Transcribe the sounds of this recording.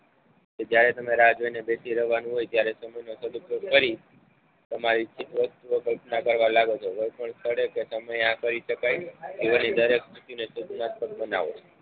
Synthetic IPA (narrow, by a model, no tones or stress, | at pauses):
ked͡ʒjaɾɛt̪əmeɾad͡ʒojnebesiɾəɦʋanũɦojt̪jaɾɛsəməjnosəd̪ukjofəɾi | t̪əmaɾit͡ʃʰit̪ʋəst̪uʋəkəlpnakəɾʋalaɡot͡ʃʰoɦojpəɳst̪ʰəɽekesəməjãkəɾiʃəkajd͡ʒ̪eʋanid̪əɾeksʰit̪junesut͡ʃnat̪̚pəkpəna̰ʋot͡ʃʰe̥